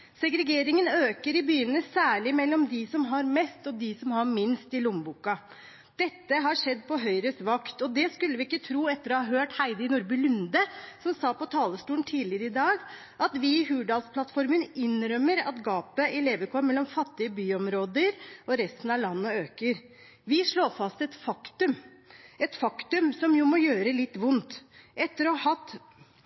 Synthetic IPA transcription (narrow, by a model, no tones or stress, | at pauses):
sɛɡɾɛɡeːɾɪŋənøːkəɾɪbyːənəsæːɭɪmɛlːɔmd̪ɪsɔmɦɑɾmɛst̪ɔd̪ɪsɔmhɑɾmɪnst̪ɪlʊmbuːkɑ | d̪̥ɛt̪ːəɦɑʂɛd̪ːpɔɦœʏɾəsʋɑkt̪ɔd̪ɛskʉlːəʋɪɪkːət̪ʰɾuːɛt̪ːəɾɔhɑɦøːʈhæɪd̪əɪnʊɾbʉlʉnd̪əsɔmsɑːpɔt̪ʰɑːləst̪uːlnt̪ʰiːlɪəɾəɪd̪ɑːɡ | ʔɑt̪ʋɪɦʉːɖɑːlspʰlɑt̪fɔɾmənɪnɾœmːəɾɑ̰t̪ɡɑːpəʔɛleːʋəkʰɔmmːɛlːɔmfɑt̪ːɪəbyːɔmɾoːd̪əɾɔɾɛst̪n̩ɑʋlɑnːɔøːkəɾ | ʋɪʂɭoːfɑst̪ɛt̪fɑkt̪ʉm | ɛt̪fɑkt̪ʉmsɔmjʊmɔjøːɾəlɪt̪ːʋʊnt̪ʔɛt̪ːəɾɔːhɑhɑt̪ː